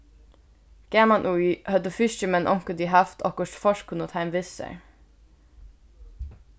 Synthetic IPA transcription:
ɡ̥æmɑnʔuihœd̪əfʏʃt͡ʃəmɛnʔɔŋkəd̪iɦæft̪ɔkɔʃfɔʃkʰʊnɔt̪hæɪmʋɪsə̰ɹ

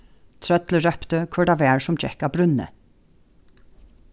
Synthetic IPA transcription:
t̪ʰɹœt̪ləɹœpt̪əkʰʋɔɖɑʋæːɹsɔmt͡ʃɛ̰kɑːbɾʉnə̰

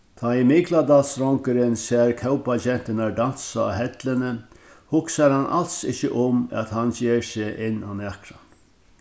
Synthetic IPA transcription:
t̪ʰaːimɪɡlad̪alsɾɔŋkəɾɪnsɛːɾkʰœʊpaɕɛn̥t̪ɪnaɾdan̥sa̰ɦɛt̪lɪnə | hʊksaɾhanʔa̰lt̪sɪçəʔʊma̰t̪hançeːɾseʔɪnːa̰nakɾan

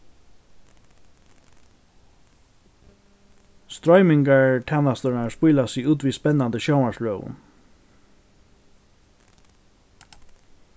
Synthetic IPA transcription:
st̪ɾɔʏmɪŋkaɹt̪ʰɛnast̪ɔɹaɹspujlasɪuːt̪ʋiːspɛnːand̪əʃɔʊmasløːʋʊ̰n

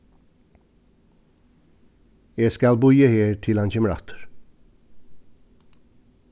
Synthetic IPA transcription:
jæɪskɑlbʉʏɪəheːɹt̪ʰɪlɑnçɛməɾɑ̰ːt̪ʰə̥ɹ

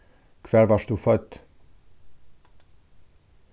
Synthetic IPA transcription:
kvɛlvɒʃt̪ufɔt̪ː

